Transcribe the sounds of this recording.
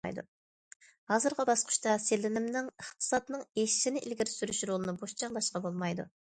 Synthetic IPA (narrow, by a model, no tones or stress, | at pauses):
ɑ̰jd̪ṵ | hɑzɨɾʁəbɑsqʰʊ̥ʃt̪ɑselɪnɪmnɪŋəχt̪ʰɨ̥sɑt̪nɨŋeʃɪ̥ʃɪnɪʔɪlɡʲiɾɪsyɾyʃɾolˠɨnɨboʃt͡ʃʰɑʁlˠɑʃqɑbolˠmɑjd̪ṵ